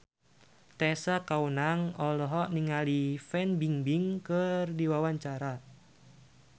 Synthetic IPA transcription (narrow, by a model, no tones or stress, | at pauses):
t̪ɛsakaunaŋɔlɔɦɔʔniŋalifɛnbiŋbiŋkərdiwawaɲt͡ʃaɾa